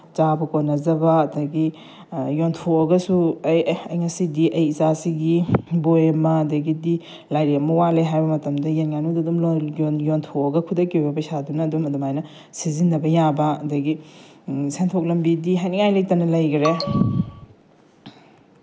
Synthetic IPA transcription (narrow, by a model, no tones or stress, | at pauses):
t͡ʃabɐkonɐzɐbɐːdɐɡi | jontʰoɐɡɐsuɐjɐjŋɐsidiʔɐjizasiɡibojɐmɐɐdɐɡidi | lajɾiɐmɐwaleɦajbɐmɐtɐmdɐjenŋanudɐdumljnjontʰoɐɡɐkʰudɐkojbɐpɐsadunɐdumɐdumajnɐ | sizinːɐbɐjabɐɐdɐɡi | sentʰok̚lɐmbidiɦajniŋajlejk̚tɐnɐlɐjɡɾe